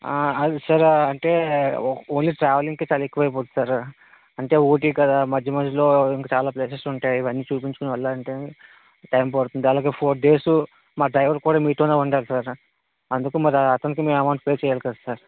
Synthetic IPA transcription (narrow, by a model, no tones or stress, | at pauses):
ɐd̪isɐɾɐɳʈe̞ː | oːnliːʈɾaːʋɐliŋɡkeːt͡ʃaːlɐekːuʋɐːjp̬oːt̪u̥saːɾ | ɐɳʈe̞ːoːʈ̬iːkɐd̪aːmɐd͡ʒjɐmɐnd͡ʒlo̞ːiŋkɐt͡ʃaːlaːpleːsesuɳʈaːjiʋɐnːiːt͡ʃuːpiɲt͡ʃukunɐʋɐlːaɐɳʈeː | ʈɐjmpɐɾt̪und̪iɐlaːɡe̞ːpʰoːd̪e̞ːsu | maːɖɾɐjʋɐɾkuːɽaːmiːʈoːnaːuɳɖaːlusaɾ | ɐnd̪ukuːmɐɾɐt̪ɐnikimeːmɐmaːɳʈ̚peːt͡ʃɛːjaːlkɐd̪asaːɾ